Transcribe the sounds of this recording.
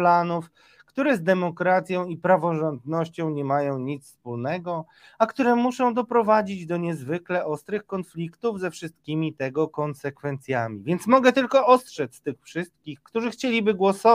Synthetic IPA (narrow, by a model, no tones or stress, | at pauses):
lanuf | kt̪uɾɛzd̪ɛmɔkɾat̪sʲjɔ̃w̃ipɾavɔʐɔnd̪nɔɕt͡ɕɔ̃w̃ɲɛmajɔ̃w̃ɲit̪sfspulnɛɡɔ | akt̪uɾɛmuʂɔ̃w̃d̪ɔpɾɔvad͡ʑid͡ʑd̪ɔɲɛzvɘklɛʔɔst̪ɾɘxkɔnflʲikt̪uvzɛfʂɘst̪kʲimʲit̪ɛɡɔkɔnsɛkfɛnt̪sʲjamʲivʲjɛnt̪smɔɡɛt̪ɘlkɔʔɔst̪ʂɛt̪st̪ɘxfʂɘst̪̚kʲixkt̪uʐɘxt͡ɕelʲibɘɡwɔsɔ